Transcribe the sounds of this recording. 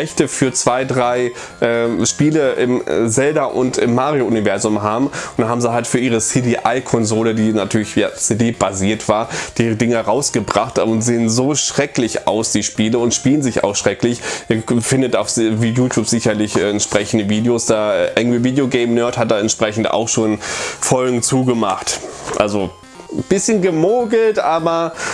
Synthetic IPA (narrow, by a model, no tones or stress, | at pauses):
ɛçtəfyːɐt͡sv̥aɪdʁaɪ | ʔɛːʃpiːləʔɪmzɛldaʔʊ̰ntɪmːaːʁioʊnivɛɐzʊmɦaːbm̩ʊnd̥anhɦaːbm̩ziːɦaltfyːɐʔiːʁət͡seːdeʔaɪkʰɔnzoːlədiːnatʰyːɐlɪçja̰ːt͡seːdeːb̥aziːɐtv̥aːɐd̥iːʁədɪŋəʁaʊsɡ̥əbʁaχtʊntz̥eːənzoːʃʁ̥ɛklɪça̰ʊsd̥iːʃpiːləʊntʃpiːlənzɪça̰ʊxʃʁ̥ɛklɪçʔiːɐfɪndətaʊfvijuːtʰjuːpz̥ɪçɐlɪçʔɛːɛntʃpʁ̥ɛçn̩dəviːdeoːsd̥aːɛʔɛŋviːdeoɡɛɪmnœɐthat̚d̥aːɛntʃpʁ̥ɛçn̩ta̰ʊxʃoːnfɔlɡŋ̩t͡suːɡəmaχtʔa̰lzo | b̥ɪsçənɡəmoːɡl̩tʔaːbɐ